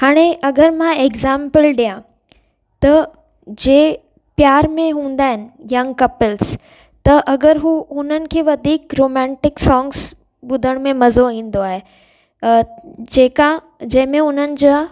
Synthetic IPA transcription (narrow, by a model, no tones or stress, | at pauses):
haːɽ̃eɐɡəɾmãeːɡzãːmpəlɗijã | t̪ɐ | d͡ʑeː | pjaːɾmẽɦũːn̆d̪aːɦɪnɪ̆jɐ̃ŋɡkɐpɪls | t̪ɐʔɐɡəɾɦuʊn̤ənɪ̆kʰeːʋɐd̪ʱiːkɾoːmɛ̃ːɳʈɪksɔ̃ːŋɡs | ɓʊd̪ʱəɽ̃mẽmɐzoĩːn̆d̪oaːɦe | d͡ʑeːkã | d͡ʑɐ̃ɦɪ̃mẽʊn̤ənɪ̆d͡ʑoː